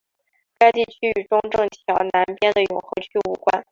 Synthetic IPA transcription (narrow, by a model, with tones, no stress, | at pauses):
ka˥ɪt̪i˥˩t͡ɕʰy˥y˨˩ʈ͡ʂʊ˥ŋʈ͡ʂɤ˥˩ŋt̪ʰjɑ˧˥ʊna˧˥npjɛ˥nd̪ə˨jʊ˨˩ŋxɤ˧˥ʊt͡ɕʰy˥u˧˥kwa˥n